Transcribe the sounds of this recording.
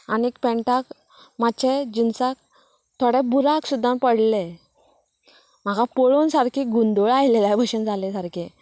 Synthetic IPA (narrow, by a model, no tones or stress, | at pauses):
anikpɛ̃ɳʈak | mat͡ɕʰed͡ʑinsak | t̪ʰoɽebuɾaksud̪ʱːãpəɽle | m̤aɡapɔɭonsaɾkʰiɡund̪oɭajlelabʱəɕənd͡zʱalẽsaɾkʰi